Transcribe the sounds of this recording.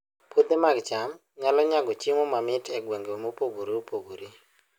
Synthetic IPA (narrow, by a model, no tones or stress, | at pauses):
pod̪emaɡt͡ʃam | ɲalɔɲaɡɔt͡ʃɪmomamɪtʰɛɡweŋɡemopoɡoɾiopoɡoɾi